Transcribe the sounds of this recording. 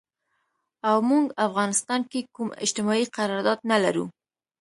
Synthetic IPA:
awmuŋɡafɣɑnɪst̪ɑnkekumɪ̰d͡ʒt̪ɪmɑiqaɾɑɾd̪ɑd̪nalaɾṵ

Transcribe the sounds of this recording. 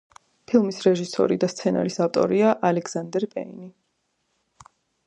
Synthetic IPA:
pʰilˠmisɾɛʒisɔ̰ɾid̪ast̪sʰɛna̰ɾisaft̪ʼɔ̰ɾiaʔalɛɡz̥and̪ɛɾpʼɛ̰ini

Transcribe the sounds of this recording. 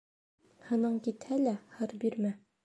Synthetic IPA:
hɤ̆nɤɴkit̪hælæhɤɾbiɾmæ

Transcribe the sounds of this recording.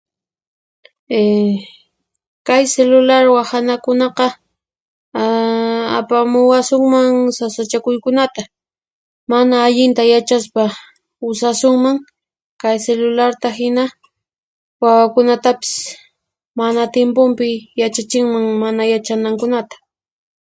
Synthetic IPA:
e | kajselʊlaɾwahanakʊnɑqɑ | apamʊwasʊŋmaŋsasat͡ʃakʊjkʊnat̪a | manaːʎɪnt̪ajat͡ʃaspa | ʊsasʊŋmaŋ | kajselʊlaɾt̪aɦɪna | wawakʊnat̪apɪ̥s | manat̪jempʊmpɪjat͡ʃat͡ʃɪŋmaŋmanajat͡ʃanaŋkʊnat̪ḁ

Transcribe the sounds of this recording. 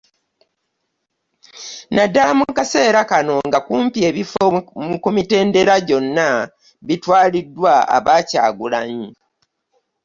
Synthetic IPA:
nadːalamukase̞ːɾakano̞ŋɡakuːmpie̞ːβifomukumite̞ːnde̞ɾaɟo̞nːa | βitwaːlidːwaa̰βaːca̰ːɡulaɲi

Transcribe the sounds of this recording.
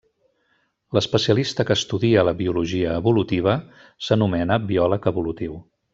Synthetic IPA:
ləspəsiəlist̪əkəːst̪uðiələβiuluʒiəːβulut̪iβ̞ə | sənumɛnəbiɔləkəβulut̪iw

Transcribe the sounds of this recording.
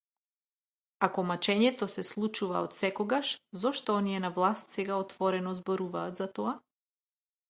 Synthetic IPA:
akɔmat͡ʃɛɲɛt̪ɔsɛslˠut͡ʃuva̰ɔt̪sɛkɔɡaʃzɔʃt̪ɔɔniɛnavlˠast̪sɛɡaɔt̪vɔɾɛnɔzbɔɾuvaːt̪zat̪ɔa

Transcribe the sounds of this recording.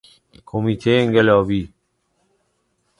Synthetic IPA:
kʰomit̪ʰeeŋɡelɔbi

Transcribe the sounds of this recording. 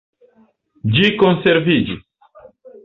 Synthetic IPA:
d͡ʒiko̞nse̞ɾvid͡ʒis

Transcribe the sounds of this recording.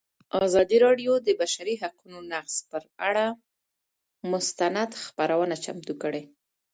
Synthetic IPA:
ɑzɑd̪iɾɑɖjod̪əbaʃaɾiɦaqunonaqspəɾaɽa | mʊst̪anad̪xpaɾawənat͡ʃa̰mt̪ukəɽe

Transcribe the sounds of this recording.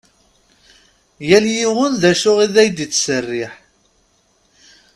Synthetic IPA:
jæljiwʊnðæʃʊʁiðæjd̪it͡sːsərːɪħ

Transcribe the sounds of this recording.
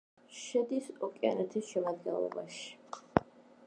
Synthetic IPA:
ʃɛd̪isɔkʼia̰nɛt̪ʰisʃɛmad̪̚ɡɛnlˠɔ̰baʃi̥

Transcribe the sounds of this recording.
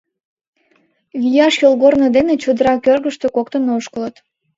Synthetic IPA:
βʲijɑʃjolɣornəd̪enet͡ɕod̪əɾɑkørɣəʃt̪økokt̪ənoʃkələt̪

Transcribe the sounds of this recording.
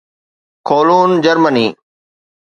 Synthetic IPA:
kʰoːluːnd͡ʑəɾməniː

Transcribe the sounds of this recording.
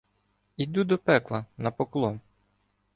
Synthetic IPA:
id̪ud̪ɔpɛklˠɐnɐpɔklˠɔm

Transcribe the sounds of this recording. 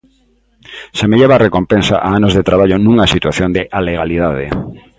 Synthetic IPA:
semeʎeβarekompensa̰ʔaanozðet̪ɾaβaʎonũŋasit̪waθjond̪ɪʔaleɣaliðaðḛ

